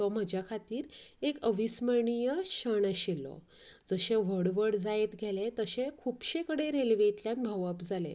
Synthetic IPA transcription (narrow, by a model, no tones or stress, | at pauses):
t̪ɔm̤əd͡ʑjakʰat̪iːɾekəʋisməɳijəɕəɳəɕilːɔ̰ | d͡zəɕeʋ̤əɽʋəɽd͡zajet̪ɡʱelet̪əɕekʰupɕẽkəɽeɾelʋet̪ljãnbʱəʋəpd͡zʱalḛ